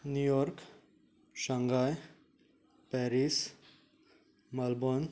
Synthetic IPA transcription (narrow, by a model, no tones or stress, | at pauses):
nujɔɾk | ʃɐŋɡaj | pɛɾis | mɐlbon